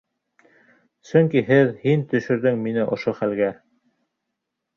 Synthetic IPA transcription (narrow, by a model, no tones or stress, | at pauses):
sɵŋkiɦɘðhint̪ɵ̆ʃɵ̆ɾðɘŋminɘʔŏʃoχælɡæ